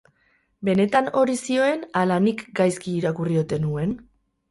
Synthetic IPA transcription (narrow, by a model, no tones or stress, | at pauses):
be̞ne̞t̪ano̞ɾisio̞e̞nalanikɡajskiːɾakurio̞t̪e̞nue̞n